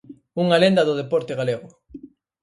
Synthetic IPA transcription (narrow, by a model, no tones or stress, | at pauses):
uŋalend̪aðʊðepɔɾt̪eɣaleɣʊ